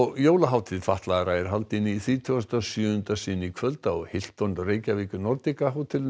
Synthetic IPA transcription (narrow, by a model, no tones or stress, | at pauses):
ɔɣjoːwlaɦaːwt̪ʰɪðfaht̪laɣaɾaɛɾ̥ɦalt̪ɪnːiθɾiːt̪ʰʏast̪asjœʏnt̪asɪnːikʰvœlt̪aɔɣhɪl̥t̪ɔnreːjcavɪːcʏnɔɾt̪ɪkaɦawt̪ʰɪl